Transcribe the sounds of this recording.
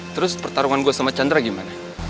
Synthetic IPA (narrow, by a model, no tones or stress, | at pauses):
t̪əɾʊspərt̪aɾuŋanɡuasamat͡ʃand̪ɾaɡimana